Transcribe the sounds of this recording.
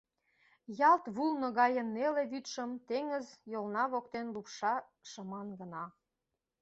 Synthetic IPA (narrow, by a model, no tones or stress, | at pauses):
jɑlt̪βulnə̆ɣɑjənːeleβyt̪ʃəmt̪eŋəzjolnɑβokt̪enlupʃɑ | ʃəmɑnɡə̆nɑ